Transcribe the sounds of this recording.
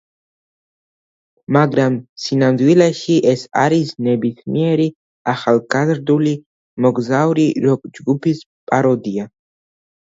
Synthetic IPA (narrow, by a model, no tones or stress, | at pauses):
maɡɾamsinamd̪wilɛʃiʔɛsa̰ɾisnɛbismiɛɾi | aχalˠɡazɾd̪uli | mɔɡzavuɾiɾɔd͡ʒɡupʰis | pʼaɾɔd̪ia